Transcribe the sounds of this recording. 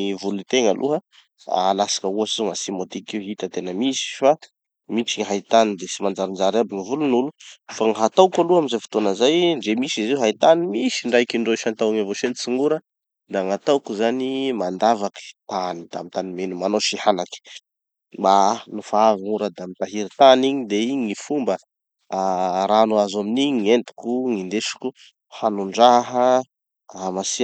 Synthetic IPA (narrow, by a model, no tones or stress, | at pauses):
ivulut̪eŋəlʔṵɦə | a̰lasḁkəuasizoŋasimot̪ikiɦit̪ət̪enəmisi̥fa | mit͡ʃiŋiɦait̪anid̪esimand͡ʒaɾind͡ʒaɾabiŋivulunulufaŋɦat̪awkaluaminzajfi̥t̪onəzajɳɖ͡ʐemisizewɦait̪animisiɳɖ͡ʐajkiɳɖ͡ʐoʃant̪awaŋavoʃent͡siŋɡuɾə | d̪aŋat̪awkuzanimand̪avaki̥t̪anid̪̥a̰mint̪animenumanoʃihanaki̥ | banufaaviŋuɾəd̪amint̪aɦiɾit̪aniɲid̪eiɲifumbə | ɾanuazaminiɲiŋent̪i̥kuŋind̪eʃu̥ku | hanuɳɖ͡ʐaɦə | amasi